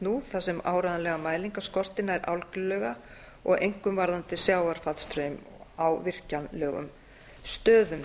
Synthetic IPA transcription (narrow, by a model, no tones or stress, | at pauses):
nuθasɛmaːwɾajðalɛɣamaːjliŋkaskɔr̥t̪ɪnaɛɾʔa̰wlkʏlœːɣa | ɔ̰ɣejŋ̥kʏmvaɾðant̪ɪsjaːwaɾ̥fat̪st̪ɾœm | awvɪr̥canlœːɣʏ̰m | st̪œːðʏm